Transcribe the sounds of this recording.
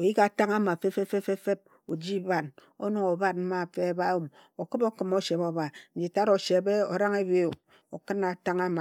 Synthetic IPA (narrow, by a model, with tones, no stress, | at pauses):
o˨ji˦ka˨ta˦ŋa˦ma˨fe˦fe˦fe˦fe˦fe˦b̚ | o˨d͡ʒi˦ba˨n | o˦no˨ŋo˨ba˦t̚m̩˦ma˨fe˦ba˦wu˨m | o˨kɨ˦bo˦kɨ˨mo˦ʃe˨bo˦βa˨n̩˨d͡ʒi˨ta˦ɾo˨ʃe˨be˦o˨ɾa˦ŋe˦bi˦˨ | o˨kɨ˦na˨ta˦ŋa˦ma˨